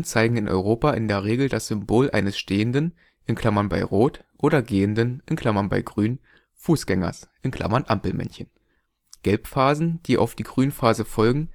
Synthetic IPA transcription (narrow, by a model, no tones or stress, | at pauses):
nt͡saɪɡŋ̩ɪnʔɔ̰ʏʁoːpaʔɪndeːɐʁ̞eːɡl̩dasz̥ʏmboːlʔa̰ɪnəsʃteːəndən | ʔɪnkʰl̥amɐnba̰ɪʁoːtʔoːɾɐɡeːəndənɪnkl̥amɐnba̰ɪɡʁyːn | fuːsɡ̥ɛŋɐ̰sʔɪnkʰl̥ʔa̰mɐnʔampl̩mɛ̰nçən | ɡ̥ɛlpfaːzn̩d̥iːʔa̰ʊfd̥iːɡʁyːnfaːzəfɔlɡŋ̩